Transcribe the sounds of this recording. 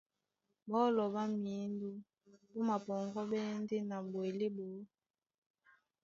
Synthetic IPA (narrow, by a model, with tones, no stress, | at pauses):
bɔ˦lɔ˨ba˦mi˨˦ndu˦ | bo˦ma˨pɔ˨ŋɡɔ˦bɛ˦n˦de˦na˨bwe˨le˦bo˨˦